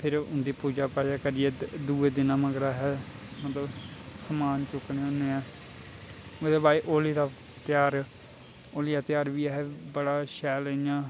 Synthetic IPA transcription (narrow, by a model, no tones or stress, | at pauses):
pʰɪɾʊ̃nd̪iːpuːd͡ʒaːpaːd͡ʒaːkəɾɪːɛːd̪uːeːd̪ɪnãːməɡɾaːɦɛː | mət̪ləbsəmaːnt͡ʃʊknẽːʊnːẽːãː | mət̪ləbaːiːʔoːliːd̪aː | t̪ɪjaːɾ | oːliːd̪aːt̪ɪjaːɾbiːɛːɦɛːbəɽaːʃɛːləijãː